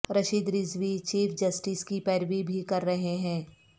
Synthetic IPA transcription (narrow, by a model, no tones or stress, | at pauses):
ɾɐʃiːd̪ɾɪzʋit͡ʃiːfʰd͡ʒɐsʈɪskipɛːɾʋibʱikɐɾːɐɦeɦɛ̃ː